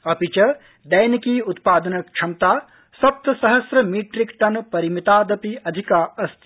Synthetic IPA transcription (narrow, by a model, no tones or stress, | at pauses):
ɐpit͡ʃɐ | d̪ɐjnkiːut̪paːd̪ɐnɐk̚t͡ʃʰɐmt̪aː | sɐp̚t̪ɐsɐɦɐsɾɐmiːʈɾikʈɐnpɐɾimit̪aːd̪ɐpiɐd̪ʱikaːɐst̪i